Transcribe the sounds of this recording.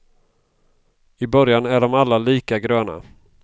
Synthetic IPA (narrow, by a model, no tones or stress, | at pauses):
ɪbœɾjanæɖɔmalːaliːkaɡɾøːna̰